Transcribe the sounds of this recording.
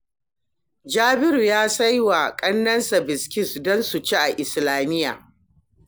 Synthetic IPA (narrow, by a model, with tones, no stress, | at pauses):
d͡ʒaː˦bɪ˦ɾu˨jaː˦sa˦jwa˨kʼɐ˦nːɐ˦nsa˨bɪ˨skʲɪ˦sdɔ˦nsu˨t͡ʃe˦ʔa˨ʔɪ˨slaː˨mɪ˦ja̰ː˨